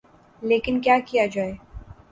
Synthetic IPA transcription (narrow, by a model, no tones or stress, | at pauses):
leːkɪnkjaːkijad͡ʒaːeː